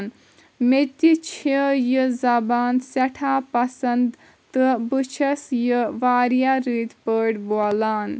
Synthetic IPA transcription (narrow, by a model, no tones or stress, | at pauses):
n | met̪it͡ʃʰijəzɐbaːnsɐʈʰaːpɐsɐnd̪ | t̪ɨbɨt͡ʃʰɐsjəʋaːɾjaɾiːt̪pəːɽboːlaːn